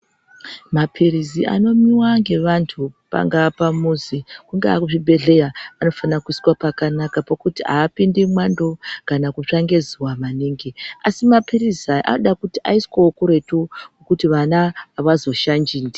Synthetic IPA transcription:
mapʰiriziʔa̰no̞miwaŋɡe̞ʋantʰupa̰ŋɡaːpamuzikuŋɡeakuʐibʱe̞ɮe̞jaano̞fanakuiswapakanakapokutiɦa̰ːpindimwando̞kanakut͡ʂaŋɡe̞zuwamaneŋɡeasimapirizaʔa̰oɗakutiʔa̰iskokuɾe̞tuokutiʋanaːʋazo̞ʃand͡ʒiːndi

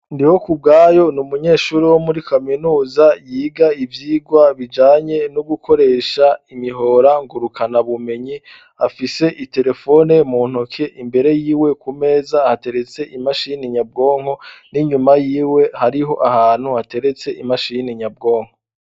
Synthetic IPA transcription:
ndiho̞kub̚ɡaːjo̞numuɲe̞ːʃuɾiwo̞muɾikʰaminuːzajiːɡaivjiːɡwaβid͡ʒaːɲe̞nuɡukʰo̞ɾe̞ːʃaimiɦo̞ɾaŋɡuɾukʰanaβume̞ɲi | afise̞ʔite̞ɾe̞fo̞ne̞muːn̥okʰe̞ʔimbe̞ɾe̞jiːwe̞kume̞ːzahate̞ɾe̞t͡se̞ʔimaʃiːniɲab̚ɡo̞ːŋ̥ho̞niɲumajiːwe̞haɾiɦo̞ʔahaːn̥huhate̞ɾe̞t͡se̞imaʃiniɲab̚ɡo̞ːŋ̥ho

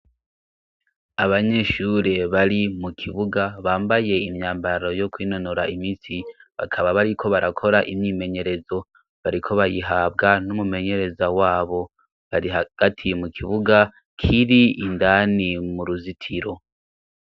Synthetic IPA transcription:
aβaɲe̞ʃuːɾe̞βaɾimukʰiβuɡaβaːmbaje̞imɲaːmbaɾo̞jo̞kwiːnonoɾaimiːsiβakʰaβaβaɾikʰo̞βaɾakʰo̞ɾaʔimɲiːme̞ɲe̞ɾe̞zo̞ | βaɾikʰo̞βajiɦaːbɡanumume̞ɲe̞ɾe̞zawaːβo̞ | βaɾiɦaɡ̥atʰimukʰiβuɡa | kʰiɾiːndanimuɾuzitʰiɾo̞

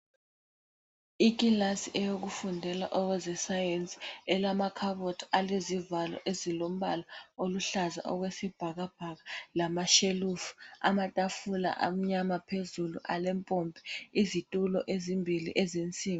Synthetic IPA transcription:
ikʼilasiʔɛjok̬ufundʱɛla̰ʔɔwɛzɛsajent͡sʼi̥ɛlamakʰaβɔtʰalezivalɔ̰ʔezilom̩ɓa̰laoluɬaza̰ʔɔɣ̬wesib̥ʱaɣ̬ab̥ʱaɣalamaʃelufu̥a̰matʼafula̰ʔa̰m̩ɲamapʰezuluʔalɛmpʼɔmpʰʼɛ̥izitʼulɔʔezimbʱilḭʔɛzent͡sʼiːŋɔ

